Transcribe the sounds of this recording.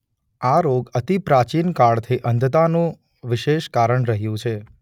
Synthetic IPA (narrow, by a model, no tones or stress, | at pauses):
aɾoɡət̪ipɾat͡ʃinkaɭt̪ʰiʔənd̪ʱt̪anũ | ʋɪʃeʃkaɾəɳɾəɦjũt͡ʃʰe